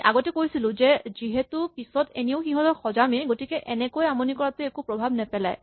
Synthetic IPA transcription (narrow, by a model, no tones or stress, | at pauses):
ʔa̰ɡɔtɛkojsilʊ̃zɛziɦɛtupisɔteneʊxiɦɔtɔxɔzamiɡotikɛʔɛnɛkojamɔnikɔɹatuekupɹɔbʱabnɛpɛla̰j